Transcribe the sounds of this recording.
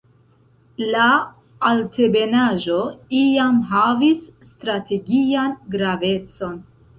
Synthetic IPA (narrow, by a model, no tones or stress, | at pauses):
la | alte̞be̞naʒo̞ijamɦavisːtɾate̞ɡianɡɾave̞t͡so̞n